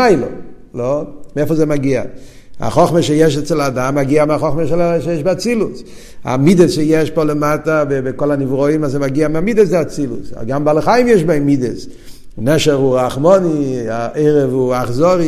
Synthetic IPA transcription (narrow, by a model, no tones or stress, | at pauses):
aɪlo̰ | lomɛflˠzemaɡia̰ | a̰χɔχməʃejɛʃɛt͡sɛladamːaɡiamɪaχɔχməʃɛlʃejɛʃbɪat͡silus | a̰midəsʃejɛʃpoləmatabɪbɪkɔlanivʁɔimazemaɡiamɪamidəszeat͡silṵsa̰ɡambalˠəχajɪmjɛʃbaɪmidəs | nɛʃɛʁuʁaχmɔniaʔɛɪʁɛvuaχzɔɾi